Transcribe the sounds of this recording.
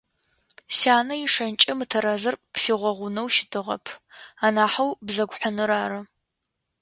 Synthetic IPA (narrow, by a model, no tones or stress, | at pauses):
saːnɐjɪʂɐnt͡ʃʼɪmɨtʰɐɾɐzɐrpfiʁʷɔʁʷʊnɐwʃɪ̥dʰɨʁɐ̰pʰaːnaːħawbzɐɡʷħənɨɾaːɾɐ